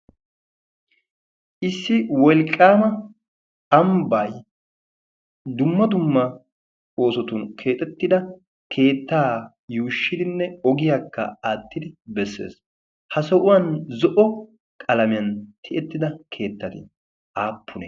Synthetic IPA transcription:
ʔɪsːɪwɔlkʼːaːmɐ | ɐmbaj | d̪ʊmːɐd̪ʊmːɐ | o̞ːsɔt̪ʊnkʰe̞ːt̪ʼɛt̪ːɪd̪ɐ | kʰe̞ːt̪ːaː | juːʃːɪd̪ɪnːɛɔɡɪjakːɐ̰aːt̪ːɪd̪ɪbɛsːe̞̰ːs | hɐsɔʔʊwɐnzɔʔɔ | kʼɐlɐmɪjɐnt̪ʰɪʔɛt̪ːɪd̪ɐkʰe̞ːt̪ːɐt̪ɪ̰ | ʔaːpːʊnɛ̰

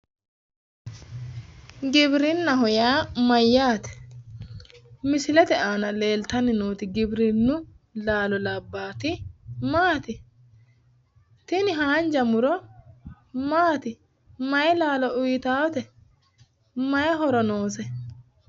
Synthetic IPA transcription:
ɡɪbɾɪnːɐɦɔjaːmɐjːaːt̪ɛ̥ | mɪsɪlɛt̪ɛʔaːnɐle̞ːlt̪ɐnɪnoːt̪ɪɡɪbɾɪnːʊ | laːlɔlɐbːaːt̪ɪmaːt̪ɪ | t̪ɪnɪɦaːnd͡ʒɐmʊɾɔ | maːt̪ɪ | mɐjɛlaːlɔʔʊjɪt̪aːwɔt̪ɛ | mɐjɐɦɔɾɔnoːs̬ɛ

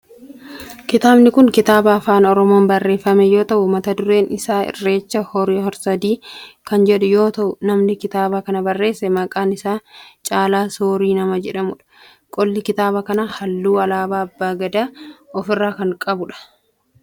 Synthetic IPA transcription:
kɪt̪aːbnɪkʊŋkɪt̪aːbɐːfaːnɔɾɔmoːnbɐrːe̞ːfɐmɛjo̞ːt̪ɐʔʊmɐt̪ɐd̪ʊɾe̞ːnɪsaːɪ̰rːe̞ːt͡ʃːɐhɔɾiːɦɔɾsɐd̪iːkɐnd͡ʒɛᶑʊjo̞ːt̪ɐʔʊnɐmnɪkɪt̪aːbakɐnɐbɐrːe̞ːsːɛmɐkʼaːnɪsaːt͡ʃʼaːlaːsoːɾiːnɐmɐd͡ʒɛᶑɐmʊᶑɐ̥ | kʼɔlːɪkɪt̪aːbɐkɐnahɐlːuːɐlaːbaːɐbːaːɡɐd̪aːɔfɪrːaːkɐŋkʼɐbʊᶑɐ̥

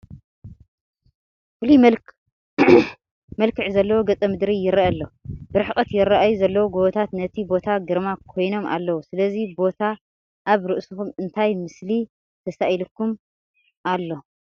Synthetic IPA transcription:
fuli | mɐlkʰɨʕzɐlːɐwoɡɐt͡sʼɐmɨd̪ɾijɪɾɐʔɐlːo̞b̥ɨɾɨħkʼɐt̪jɪɾɐʔajuzɐlːɐwoɡoβɐt̪ʰat̪nɐt̪ʰibo̞t̪ʰaɡɨɾmakʰo̞jno̞ma̰lːɐwusɨlɐzibo̞t̪ʰa | ʔaβɾɨʔsuxumɨnt̪ʰajmɨsli | t̪ʰɐsaʔilukːum | ʔalːo̞

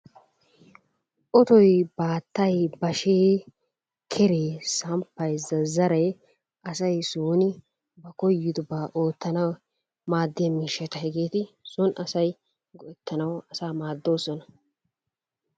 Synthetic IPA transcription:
ʔɔt̪ɔjbaːt̪ːɐjbɐʃeː | kʰɛɾeːsɐmpːɐjzɐzɐɾɐj | ʔɐsɐjsuːnɪ | bɐkɔjːɪd̪ʊbaːʔo̞ːt̪ːɐnɐw | maːd̪ːɪɐmiːʃɛt̪ɐhɛɡeːt̪ɪsʊnɐsɐj | ɡɔɛt̪ʰːɐnɐwɐsaːmaːd̪ːo̞ːsɔnɐ

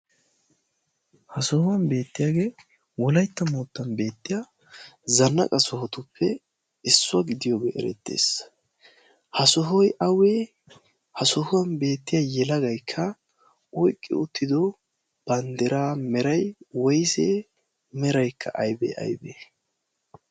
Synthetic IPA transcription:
hɐsɔhʊwɐnbe̞ːt̪ːɪjaːɡe̞ː | wɔlɐjt̪ːɐmuːt̪ːɐnbe̞ːt̪ːɪjaː | zɐnːɐ̰kʼɐsɔhɔt̪ʊpːɛ | ɪsːʊɐɡɪd̪ɪjoːɡḛːʔɛ̰ɾɛ̰t̪ːḛːs | hɐsɔɦɔjʔɐweː | hɐsɔhʊwɐnbe̞ːt̪ːɪjajɛlɐɡɐjkʰːɐ | ɔjkʼːɪ̰ʊt̪ːɪd̪ɔ | b̥ɐnd̪ɛɾaːmɛɾɐjwɔjse | mɛɾɐjkʰːɐ̰ʔɐjbɛ̰ʔɐ̰jbe

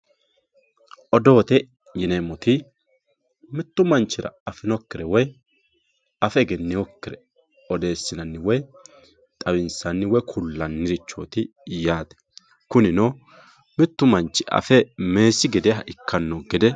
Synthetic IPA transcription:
ʔɔd̪o̞ːt̪ɛ | jɪnemɔt̪ɪ | mɪt̪ːʊmɐnt͡ʃːɪɾɐ̰ɐfɪnɔkːɪɾɛwɔj | ɐfɛɡɛnːɪwɔkːɪɾɛ | ɔd̪e̞ːsːɪnɐnːɪwɔj | t̪ʼɐwɪnsɐnːɪwɔjkʰʊlːɐnːɪɾɪt͡ʃːo̰ːt̪ɪ | jaːd̪ɛ̥ | kʊnɪno | mɪt̪ːʊmɐnt͡ʃːɪʔɐ̰fɛme̞ːsɪɡɛd̪ɛɦɐʔɪkːɐnːoɡɛd̪ɛ

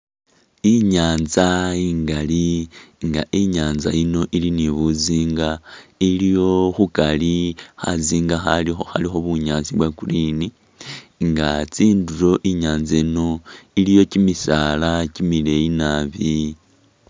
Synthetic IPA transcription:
iɲaːnzaiːŋɡaliŋɡaʔiɲaːnza̰ino̞ʔiliniβuziːŋɡailijo̞xukalixaziːŋɡaxalixoxa̰lixo̞βuɲaːnziβwakulini | ŋɡat͡siːnduɾo̞ʔiɲaːnzaino̞ilijo̞cimisaːlacimile̞jinaβi

